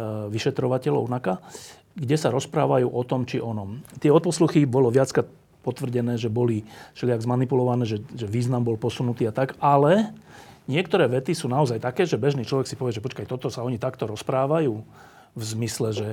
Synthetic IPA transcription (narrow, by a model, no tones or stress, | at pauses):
ʋiʃɛt̪ɾɔʋacɛlɔ̰ʊnaka | ɡɟɛsaɾɔspɾaːʋajuːʔɔt̪ɔmt͡ʃiʔɔnɔmt̪ɪɛɔt̪̚pɔsluxibɔlɔʋɪat͡skɾat̪̚ | pɔt̪ʋr̩ɟɛnɛːʒɛbɔliʃlɪaɡzmanipulɔʋanɛːʒɛʒɛʋiːznambɔlpɔsunut̪iːat̪akalɛ | ɲɪɛkt̪ɔɾɛːʋɛt̪isuːnaɔzajt̪akɛːʒɛbɛʒniːt͡ʃlɔʋɛksipɔʋɪɛʒɛpɔt͡ʃkajt̪ɔt̪ɔsaɔɲit̪akt̪ɔɾɔspɾaːʋajuː | vzmislɛʒɛ